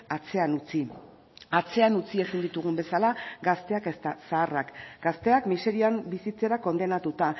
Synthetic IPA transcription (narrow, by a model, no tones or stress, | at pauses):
at͡se̞anut͡si | at͡se̞anut͡sie̞sind̪it̪uɣ̞umbe̞salaɡast̪e̞akest̪asaːrakɡ̥ast̪e̞akmise̞ɾiambisit͡se̞ɾako̞nd̪e̞nat̪ut̪a